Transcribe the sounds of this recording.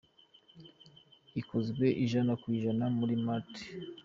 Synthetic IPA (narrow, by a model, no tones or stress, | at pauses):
iko̞zɡwe̞ʔiʒanakwiːʒanamuɾimati̥